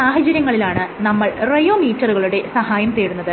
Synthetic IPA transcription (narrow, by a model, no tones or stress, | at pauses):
saːɦɐd͡ʑɐɾjɐŋːɐɭilaːɳɨnɐmːɐɭrejoːmiːtːɐruɣɐɭuɽe̞sɐhaːjɐmt̪eːɽunːɐðɨ